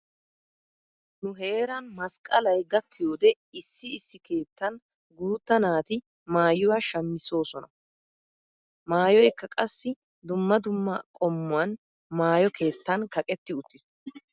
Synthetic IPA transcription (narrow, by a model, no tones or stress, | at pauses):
nʊɦe̞ːɾɐnmɐskʼɐlɐjɡɐkːɪjoːd̪ɛ | ɪsːɪːsːɪke̞ːt̪ːɐn | ɡuːt̪ːɐnaːt̪ɪ | maːjʊwɐʃɐmːɪso̞ːsɔnɐ | maːjɔjkːɐkʼɐsːɪ | d̪ʊmːɐd̪ʊmːɐkʼɔmːʊwɐn | maːjɔkʰe̞ːt̪ːɐnkɐkʼɛt̪ːɪʊt̪ːɪ